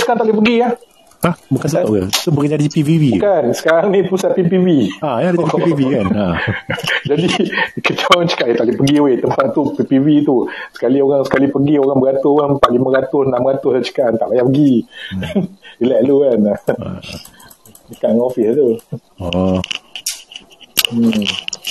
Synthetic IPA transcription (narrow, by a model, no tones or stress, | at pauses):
səkaɾaŋnt̪aʔlihpəɡiah | ahbukanəɡət̪obukd͡ʒadipiviwibukansə̥kaɾaŋnipusaʔ̪̚pipiviajadaaipivikana | d͡ʒadikət͡ʃaaŋt͡ʃə̥kaʔət̪aʔlɪpəɡiwet̪əmpat̪̚t̪upipivit̪usə̥kalioɾaŋsə̥kalipəɡioɾaŋbəɾat̪ʊaŋpaʔ̪limãɾat̪ʊsnaʔməɣat̪ʊslat͡ʃə̥kaʔant̪aʔpajaʔpəɡi | ilaʔluan | əkaʔŋɔfist̪u | ɔ